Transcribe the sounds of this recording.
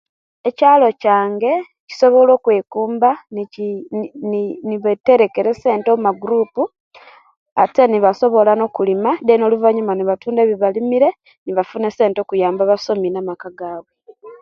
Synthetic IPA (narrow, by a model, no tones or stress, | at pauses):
e̞caːlo̞caːŋɡe̞ | ci̥so̞βo̞lo̞ːkwe̞ːkuːmba | nniβete̞ɾe̞ke̞ɾe̞se̞ːntoumaɡuɾuːpu | ate̞niβaso̞βo̞lano̞ːkulimadeno̞luvaɲumaniβatuːndeβiβalimiɾe̞ | niβafunese̞ːnto̞ːkujaːmbaβaso̞minamakaɡaːβwe